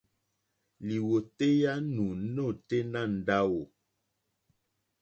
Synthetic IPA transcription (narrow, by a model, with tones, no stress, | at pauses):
li˨wo˨te˦ja˦nũ˨˦no˦˨te˦nã˦˨n̩˦da˦wo˨